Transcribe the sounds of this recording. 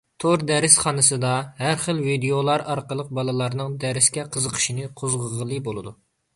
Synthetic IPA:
t̪ʰoɾd̪ɛɾɪsχɑnɨsɨd̪ɑhæɾχəlvid̪eolˠɑɾɑɾqəlˠəq̚bɑlˠɨlˠɑɾnɨŋd̪ɛɾɪskʲɛqʰəzəqʰə̥ʃinɨqʰozʁəʁəlˠɨbolˠɨd̪u

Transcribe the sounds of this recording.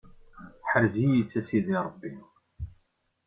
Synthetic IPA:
ħəɾzijət͡sːæsiðiɾˤəbːi

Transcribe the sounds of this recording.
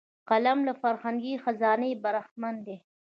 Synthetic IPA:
qalamlafaɾhaŋɡixazɑːnəbaɾaxmand̪e

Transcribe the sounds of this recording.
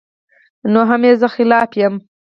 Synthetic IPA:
noɦameːzəxɪlɑːfjəm

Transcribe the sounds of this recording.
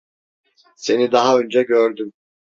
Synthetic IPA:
se̞nid̪aɦaø̞nd͡ʒɛɟøɾd̪ym

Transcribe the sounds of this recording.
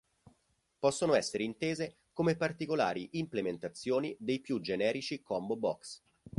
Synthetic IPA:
pɔsːonoɛsːeɾeint̪eːze | komepart̪ikola̰ːɾiʔimplement̪at̪sːjoːnid̪ejpjud͡ʒenɛːɾit͡ʃikɔmbobɔ̰ks

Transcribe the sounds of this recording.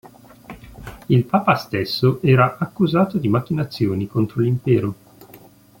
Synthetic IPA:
ilpaːpast̪esːoʔɛːɾaʔakːuzaːt̪od̪imak̟ːinat̪sːjoːnikont̪ɾolimpɛːɾo

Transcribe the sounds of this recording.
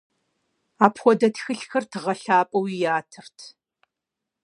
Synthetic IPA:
aːpʰxʷɔdɐtʰxɨɬxɐrtʰɨʁɐɬaːpʼɐwijaːtʰɨrtʰ

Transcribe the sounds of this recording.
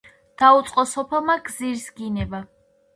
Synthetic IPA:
d̪̥aut̪sʼqʼɔsɔpʰɛlˠmaɡziɾsɡinɛba

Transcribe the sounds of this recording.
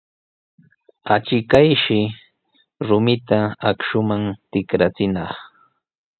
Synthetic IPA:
at͡ʃɪkajʃɪ | ɾʊmɪt̪aakʃʊmaŋt̪ɪkɾat͡sɪnɑχ

